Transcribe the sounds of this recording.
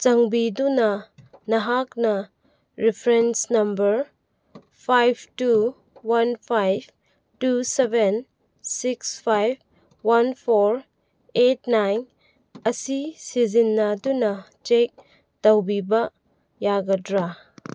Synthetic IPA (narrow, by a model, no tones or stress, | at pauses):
t͡ʃɐŋbidunɐnɐɦak̚nɐ | ɾipʰɾensnɐmbɐɾ | pʰajb̚ʰtu | wanpʰajb | tuseben | sikspʰajb̚ | wɐnpʰoɾ | etnajn | ɐsisizinːadunɐ | t͡ʃek̚ | dɐwbibɐ | jaɡɐdɾa